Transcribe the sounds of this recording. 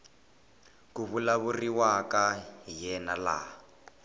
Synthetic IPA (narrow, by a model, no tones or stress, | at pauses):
kuβulaβuriwakajɛnala̰